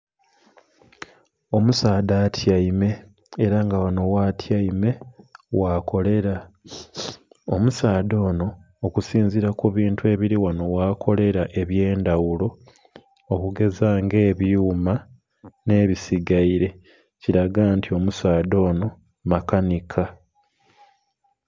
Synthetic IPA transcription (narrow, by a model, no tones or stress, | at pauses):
omusaːdaːtʰjaime̞ː | ɾaŋɡawano̞watʰjaime̞wako̞le̞ɾa | omusaːdo̞ːno̞ː | kusiːnziɾakuβiːntue̞ːβiɾiwano̞wakʰo̞le̞ɾaʔe̞βje̞ːndawulo̞ː | kuɡe̞zaːŋɡe̞ːβjuːma | ne̞ːβisiɡaiɾe̞ | ciɾaɡaːntio̞musaːdo̞ːno̞ | makanikʰa